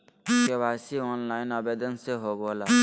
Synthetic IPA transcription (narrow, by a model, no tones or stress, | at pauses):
kebaːsiɔːnlaːɪnəbed̪ənseɦoɡola